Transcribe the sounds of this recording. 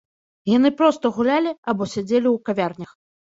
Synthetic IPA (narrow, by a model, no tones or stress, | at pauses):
janɨpɾɔst̪ɐɣulʲalʲiabɔsʲad͡zʲelʲiwkavʲarnʲɐx